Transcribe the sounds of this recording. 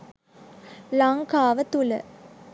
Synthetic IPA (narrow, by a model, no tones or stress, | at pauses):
laŋkaːʋət̪ulə̰